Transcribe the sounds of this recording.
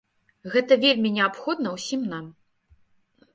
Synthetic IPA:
ɣɛt̪ɐvʲelʲmʲinʲɛapxɔd̪nɐwsʲimnam

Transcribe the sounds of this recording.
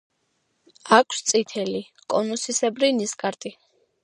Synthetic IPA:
akʰst̪sʼit̪ʰɛli | kʼɔnɔsisɛbɾiniskʼaɾt̪ʼi

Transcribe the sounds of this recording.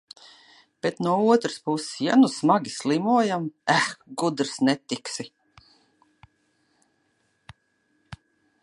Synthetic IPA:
b̥et̪nuɔuɔt̪ɾɨspussja̰nusmaɡʲislˠimuɔjamæɡud̪ɾsnɛt̪iksi

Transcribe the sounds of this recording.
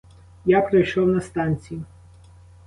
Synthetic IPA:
japɾejʃɔwnɐst̪ɑnʲt͡sʲijʊ

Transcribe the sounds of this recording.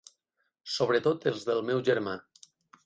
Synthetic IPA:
soβ̞ɾət̪ot̪elˠzðəlˠmɛwʒəɾma

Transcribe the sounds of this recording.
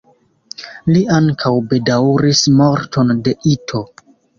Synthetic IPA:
liaŋkʰawbe̞dawɾismo̞ɾto̞nde̞ʔitʰo̞

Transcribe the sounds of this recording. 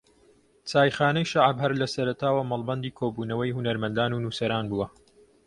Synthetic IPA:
t͡saːjχaːnɛjʃaʕbhɐɾlɐsɐɾɐt̪ʰaːwɐmɐlˠbɐnd̪iːkʰoːbuːnɐwɐjhunɐɾmɐnd̪aːnuːnuːsɐɾaːnbuwɐ

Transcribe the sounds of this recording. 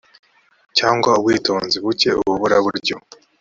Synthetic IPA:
caːŋɡwaubɡwiːto̞ːnziβuce̞ṵβuβuɾaβuɾɟo̞

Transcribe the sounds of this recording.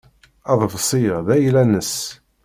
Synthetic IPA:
ɑðˤvsˤiʁðæjlænəs

